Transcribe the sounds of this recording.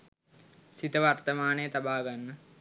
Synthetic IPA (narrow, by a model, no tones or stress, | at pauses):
sit̪əʋart̪əmaːnejet̪abaːɡanːə